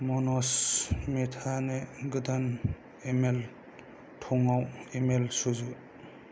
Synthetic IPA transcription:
mɔnɔsmetʰaneɡɯdan | emel | tʰɔŋawemelsuzu

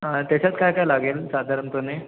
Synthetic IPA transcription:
ɦat̪jat͡ɕat͡skajkajlaɡelsad̪ʱaɾəmpəne

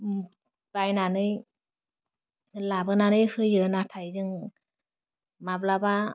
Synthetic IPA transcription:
b̥ajnanɯj | labɯnanɯjhɯjɯnatʰajzɯŋ | mablaba

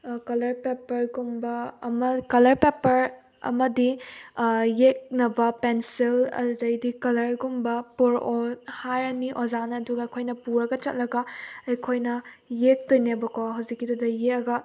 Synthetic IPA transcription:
kɐlɐɾpepɐɾɡumbɐmɐkɐlɐɾpepɐɾ | ɐ̰mɐdi | jek̚nɐbɐpensilɐ̰dɐjdikɐlɐɾɡumbɐpoɾohaɾɐniʔozanɐːduɡɐɐjkʰojnɐpuɾɐɡɐt͡ʃɐt̚lɐɡɐɐjkʰojnɐjek̚tojnebɐkɔɦɐwzikːidudɐjeɐɡɐ

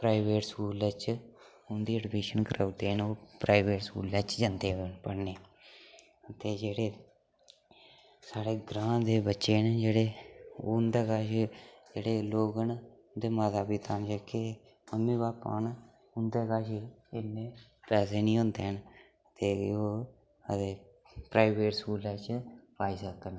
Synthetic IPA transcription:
pɾaːɪʋeːʈskuːləːt͡ʃ | ʊnd̪iːəɖbeːʃənkəɾʔaːʊd̪eːɦənoːpɾaːiʋeːʈskṵːlət͡ʃd͡ʒand̪eːɦonpəɽneː | ət̪eːd͡ʒeːɽeː | saːɽeːɡɾãːd̪eːbətːʃeːnd͡ʒeːɽeːʊnd̪eːkaːʃd͡ʒeːɽeːloːɡən | d̪eːmaːzaːbiːt̪aːnt͡ʃəke | məmːiːbaːpa̰ːn | ʊnd̪eːkaːʃɪnːeː | pɛːseːnĩːõnd̪eːɦən | t̪eːoː | ət̪eː | pɾaːɪʋeːʈskuːlaːt͡ʃpaːiːsəkən

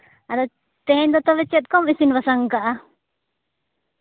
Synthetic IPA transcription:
ad̪ɔ | t̪ɛɛnd̪ɔt̪ɔβɛt͡ʃɛt̪̚ˀkɔmisinbasaŋkaʔa

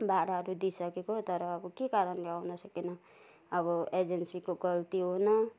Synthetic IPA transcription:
baɾaɾud̪isəkekot̪ʌɾɔːbɔkekaɾənleaʊnɔsəkenaː | bɔed͡ʒensikoɡəlt̪iɦonʌ

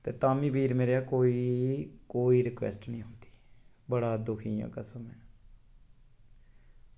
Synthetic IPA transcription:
t̪eːt̪aːmĩːbʱiːɾmeːɾejaːkoːiːkoːiːɾɪkʋɛ̰ːsʈnĩːõːnd̪i̥ː | bəɽaːd̪ʊkʰiːã̰ːkəsəmɛː

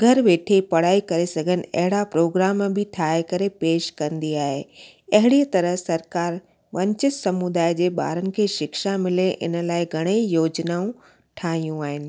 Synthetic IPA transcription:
ɡʱɐɾʋeːʈʰepɐɽ̤aːikɐɾesɐɡʱənɪ̆ɐ̰ɦɪɽapɾoːɡɾaːmbʱɪʈʰaːekɐɾepeːʃkɐ̃nd̪iaːɦe | ɐɦɪɽiət̪ɐɾəɦsɐɾkaːɾ | ʋɐ̃ɲt͡ɕɪsɐmud̪aːjd͡ʑeːɓa̰ːɾənɪ̆kʰeːʃɪkʃamɪleʔɪ̰nə̆laːɪɡʱɐɽ̃eijoːd͡ʑnaːũ | ʈʰaːɦijũaːɦɪnɪ̆

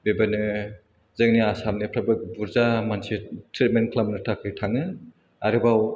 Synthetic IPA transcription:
bebanɯ | zɯŋniasamnipʰɾabɯkbuɾzamansitʰɾit̚menkʰlamnɯtʰakʰɯjtʰaŋɯ | a̰ɾɯbaw

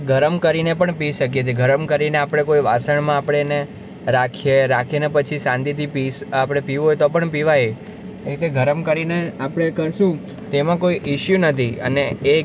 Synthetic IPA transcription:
ɡʱəɾəmkəɾinepəɳpiʃək̬jet͡ʃʰeɡʱəɾəmkəɾineapɽ̃ekoiʋasəɳmãapɽ̃ene | ɾakʰijeɾakʰienepət͡ʃʰisãnd̪it̪ipiapɽ̃epiʋũɦojt̪opəɳpiʋaj | et̪eɡʱəɾəmkəɾineapɽ̃ekəɾʃũ | t̪emãkoiʔɪʃjunət̪ʰiə̰neː

